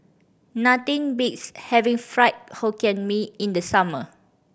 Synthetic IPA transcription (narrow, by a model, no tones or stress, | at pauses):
natĩnbikshɛvĩŋfɹaɪt̚hakɛ̃nmiĩndəsamə